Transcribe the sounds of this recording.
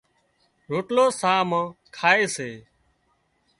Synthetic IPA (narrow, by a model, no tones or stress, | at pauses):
ɾoːʈloːsaːmãːkʰaːeːseː